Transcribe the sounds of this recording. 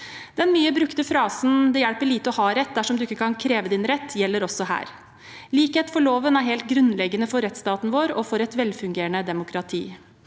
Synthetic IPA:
d̪̥ɛnmyːəbɾʉkt̪əfɾɑːsn̩d̪ɛjæɽpəɭiːt̪əɔhɑːɾɛt̪̚ːd̪æʂɔmd̪ʉɪkːəkʰɑnkʰɾeːʋəd̪ɪnɾɛt̪ːjɛlːəɾɔsːɔhæ̰ːɾ | liːkheːt̪fɔɭoːʋənæɾɦɛːlt̪ɡɾʉnlɛɡːənəfɔɾːɛt̪st̪ɑːt̪n̩ʋoːɾɔfɔɾɛt̪ʋɛlfʉŋɡeːɾəɳəd̪ɛmʊkʰɾɑt̪ʰḭː

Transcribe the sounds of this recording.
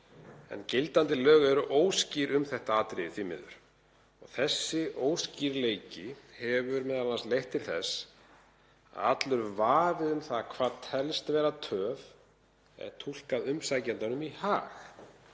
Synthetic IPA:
ɛ̰ncɪlt̪ant̪ɪlœːɣɛɾʏʔoːwsciɾʏmθɛht̪aaːt̪ɾɪðɪθimɪ̰ðʏ̰ɾ̥ | ɔɣθɛsːɪʔoːwsciɾleːjcɪhɛvʏɾmɛːðalanst̪lejht̪ʰːɪlθɛs | a̰ðat̪lʏɾvaːvɪðʏmθaðkʰvaːðt̪ʰɛlst̪vɛːɾat̪ʰœːv | ɛ̰ðt̪ʰul̥kaðʏmsaːjcant̪anʏmihaːx

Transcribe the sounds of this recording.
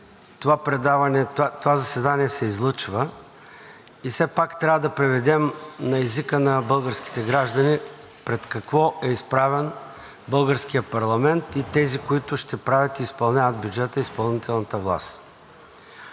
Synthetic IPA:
t̪ovapɾɛd̪avɐnɛt̪ovazɐsɛd̪aniɛsɛizlˠɤt͡ʃvə | isɛpakt̪ɾʲavəd̪ɐpɾɛvɛd̪ɛmnɐɛzikənɐbɤlˠɡəɾski̥t̪ɛɡɾaʒd̪ɐni | pɾɛt̪kɐkvɔɛispɾavɛn | bɤlˠɡəɾskijəpɐɾlˠɐmɛnt̪it̪ɛzikoit̪ʊʃt̪ɛpɾavʲət̪iːspɐlˠnʲavət̪̚bʲjud͡ʒɛt̪əispɐlˠnit̪ɛlˠnɐət̪əvlˠa̰st̪

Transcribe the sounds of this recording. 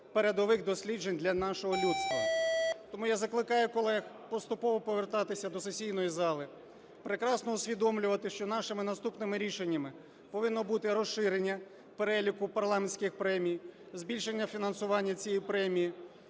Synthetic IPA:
peɾed̪ɔʋɪxd̪ɔsʲlʲid͡ʒenʲd̪lʲɐnɑʃɔɦɔlʲut̪st̪ʋɐt̪ɔmujazɐklˠɪkɑjʊkɔlˠɛx | pɔst̪ʊpɔʋɔpɔʋert̪ɑt̪ɪsʲɐd̪ɔsesʲijnɔjizɑlˠɪ | pɾekɾɑsnɔʊsʲʋʲid̪ɔmlʲʊʋɐt̪ɪʃt͡ʃɔnɑʃɪmɪnɐst̪upnɪmɪɾʲiʃenʲːɐmɪ | pɔʋɪnːɔbut̪ɪɾɔʃɪɾenʲːɐ | peɾɛlʲikʊpɐrlˠɑmenʲsʲkɪxpɾɛmʲij | zbʲilʲʃenʲːɐfʲinɐnsʊʋɑnʲːɐt͡sʲijipɾɛmʲiji

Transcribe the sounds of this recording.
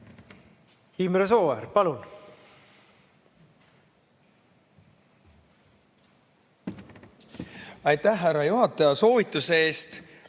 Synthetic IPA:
himɾesoːveɾpɑlun | ɑjt̪æhːærːɑjuɦɑt̪ːˑɑjɑso̞ːvit̪ːˑuseeːst̪

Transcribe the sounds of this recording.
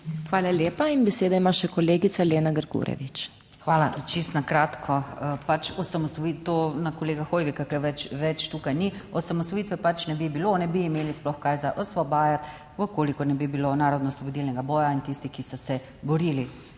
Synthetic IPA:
xʋaːlaljeːpainbɛseːd̪aimaʃɛkɔleːɡit̪saleːnaɡəɾkṵɾɛ̰ʋit͡ʃ | xʋaːlat͡ʃist̪nakɾaːt̪kʰɔpat͡ʃɔsamɔsʋɔit̪onakɔleːɡaxoːjʋikakɛʋɛt͡ʃʋɛt͡ʃt̪uːkajniɔsamɔsʋɔjit̪ʋɛpat͡ʃnɛbibilonɛbiːmeːlisplɔxkaːjzaʔɔsʋɔbaːjat̪ | əkoːlikɔnɛbibilonaːɾɔd̪nɔsʋɔbɔd̪ilnɛɡabɔːjaint̪ist̪ixkisɔsɛ | bɔɾili

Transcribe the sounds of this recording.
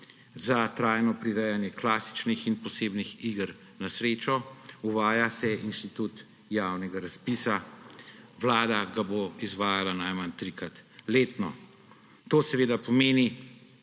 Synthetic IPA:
zat̪ɾaːjnɔpɾiɾɛjanjɛklaːsi̥t͡ʃnixinpɔseːbnixiːɡəɾ | nasɾeːt͡ʃɔuʋaːjasɛinʃt̪it̪ut̪ | jawnɛɡaɾaspiːsa | ʋlaːd̪aɡaboizʋaːjalanajmant̪ɾikɾat̪leːt̪nɔ | t̪oːsɛʋeːd̪apɔmeːni

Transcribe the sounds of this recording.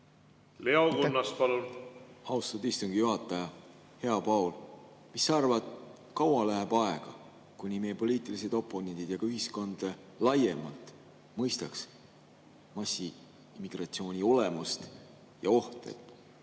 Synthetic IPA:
le̞okunːɑspɑlunɑwst̪ɑd̪ist̪uŋɡijuɦɑt̪ːˑɑjɑ | he̞ɑpɑwlmisːɑrvɑd̪̥ | kɑwɑlæɦeb̥ɑeɡ̥ɑ | kunʲimejepo̞lʲiːt̪ˑilis̬e̞d̪̥o̞pːˑo̞ne̞nd̪̥ʲid̪̥jɑɡ̥ɑyɦisko̞nd̪̥e | lɑjemɑlt̪ˑ | mɤjst̪ɑks | mɑsʲːi | imːiɡ̥rɑt̪sio̞ːnʲio̞lemust̪ | jɑo̞ht̪e̞̰d̪̥

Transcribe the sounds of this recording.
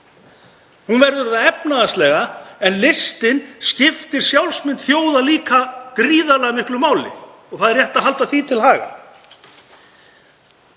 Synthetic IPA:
hunvɛɾðʏɾðaɛpnaðast̪lɛːɣaɛnlɪst̪ɪnscɪft̪ɪɾ̥sjawlsmɪnt̪θjoːwðaliːkakɾiːðalɛɣamɪhklʏmaːwlɪ̰ | ɔɣθaːðɛɾjɛht̪aɦal̪t̪aθit̪ʰɪlɦaːɣa̰

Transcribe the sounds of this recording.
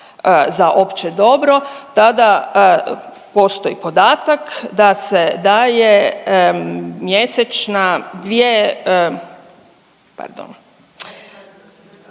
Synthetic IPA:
zaʔo̞pt͡ʃed̪o̞bɾo̞t̪ad̪a | po̞st̪o̞ipo̞d̪aːt̪akd̪ased̪aːje | mjeset͡ʃnad̪ʋie | pa̰ɾd̪o̰n

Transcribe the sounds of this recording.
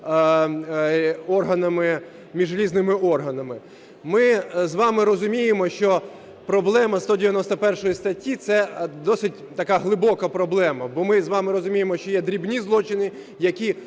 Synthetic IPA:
ɔrɦɐnɐmɪ | mʲiʒlʲiznɪmɪɔrɦɐnɐmɪ | mɪzʋɑmɪɾɔzʊmʲijemɔʃt͡ʃɔ | pɾɔblˠɛmɐst̪ɔdʲɪʋʲjɐnɔst̪ɐpɛrʃɔjist̪ɐtʲːit̪sɛd̪ɔsɪt̚ʲt̪ɐkaɦlˠɪbɔkɐpɾɔblˠɛmɐbɔmɪzʋɑmɪɾɔzʊmʲijemɔʃt͡ʃɔjɛd̪ɾʲibnʲizlˠɔt͡ʃɪnɪ | jɐkʲi

